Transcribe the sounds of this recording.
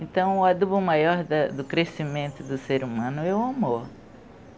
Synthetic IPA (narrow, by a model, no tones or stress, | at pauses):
ẽnt̪ɐ̃w̃ɐd̪ubɐmajɔɾd̪ɐd̪ʊkɾesimẽnt̪ʊd̪ʊseɾumɐ̃nʊɛwamoɾ